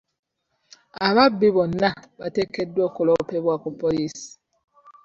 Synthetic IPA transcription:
aβabibɔnabatekɛdɔkɔlɔpebwakɔpɔlis

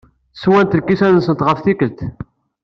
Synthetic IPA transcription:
swænt̪əlkːisænəsənt̪ʁəfθikəlt̪

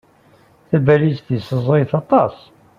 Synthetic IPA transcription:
θæbælisθisəzˤiθɑt̪ˤɑs

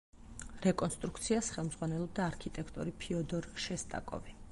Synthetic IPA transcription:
ɾɛkʼɔnst̪ʼɾukt̪sʰiasχɛlˠmd̪zʁwanɛlˠɔb̚d̪aːɾkʰit̪ʼɛkʰt̪ʼɔ̰ɾipʰiɔd̪ɔɾʃɛst̪ʼa̰kʼɔ̰vi

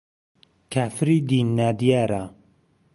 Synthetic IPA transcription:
kʰaːfɾiːd̪inːaːd̪ijaːɾa

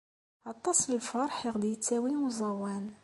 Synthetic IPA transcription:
ɑt̪ˤːɑsˤləlfɑɾˤħjəʁd̪ijət͡sːæwimuzˤɑwːæn

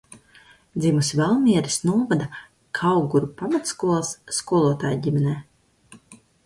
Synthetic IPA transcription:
d̪zʲimusivɛlˠmʲiɛɾisnuɔvad̪a | kʰawɡuɾupamat̪skuɔlˠsːkuɔlˠuɔt̪aːjɟimʲɛnɛː

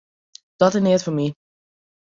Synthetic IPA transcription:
d̥ɔtɪnɪtfɔmi

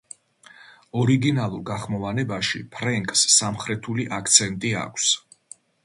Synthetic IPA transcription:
ɔɾiɡinalˠuɾɡaχmɔvanɛbaʃḭpʰɾɛŋkʼsːamχɾɛt̪ʰuliʔakʰt̪sʰɛnt̪ʼia̰kʷʰs

